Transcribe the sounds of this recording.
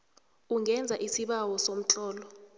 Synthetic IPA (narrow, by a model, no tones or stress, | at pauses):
uŋʱɛnd͡zʱaʔisiɓawɔsom̩t͡ɬʼɔːlɔ